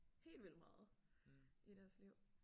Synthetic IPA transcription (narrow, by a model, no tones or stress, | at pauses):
he̝̰ːldʋil̰mɑ̈ːð̩ˠ | iɾ̥æɐsliʊ̰